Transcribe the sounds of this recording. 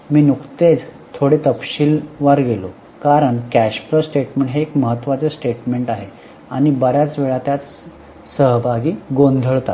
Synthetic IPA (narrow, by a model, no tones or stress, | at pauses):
miːnukt̪et͡s | t̪ʰoɽet̪əpɕiːlʋaɾɡelo̰ | kaɾəɳkæɕpɾəsʈeʈmẽɳʈɦeːkməɦət̪ːʋat͡sesʈeʈmeɳʈaɦe | a̰ɽ̃ibəɾjat͡sʋeɭat̪jat͡s | səɦbʱaɡiːɡond̪ʱəɭt̪a̰t̪